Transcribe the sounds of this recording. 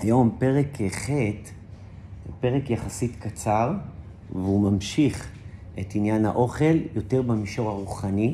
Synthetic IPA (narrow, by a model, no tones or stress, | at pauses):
ajo̞mpe̞ʁekeχet̪ | pe̞ʁekjaχasitkat͡saʁ | veumamʃiχʔetinjanha̰ʔo̞χe̞ljo̞te̞ʁbemiʃo̞ʁhaʁuχani